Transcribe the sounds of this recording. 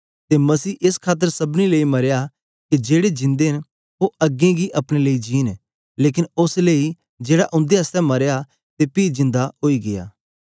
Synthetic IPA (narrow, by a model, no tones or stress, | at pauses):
t̪emɐsiːʔɪskʰaːt̪̬ːəɾsɐbnileːimɐɾja | kid͡ʒeːɽed͡ʒɪ̃nd̪eɦɪn | oɐɡẽɡiʔɐpɽ̃eleːid͡ʒiːn | leːk̬ɪnʊsleːi | d͡ʒeːɽaʔʊ̃nd̪eɦəst̪ɛmɐɾja | t̪epiːzɪ̃nd̪aɦoːiɡɪja̰ː